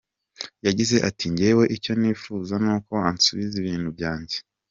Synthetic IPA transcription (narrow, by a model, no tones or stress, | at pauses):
jaɟize̞ʔatʰiɲɟewe̞ʔico̞niːfuːzanuːko̞ansuβiziβiːn̥hubjaːɲɟe